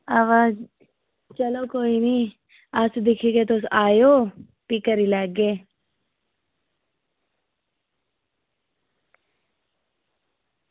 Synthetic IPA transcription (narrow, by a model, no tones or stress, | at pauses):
aːʋaːz | t͡ʃəlokoːiniː | asd̪ɪkʰiket̪osaːjoː | pikəɾilaɡːeː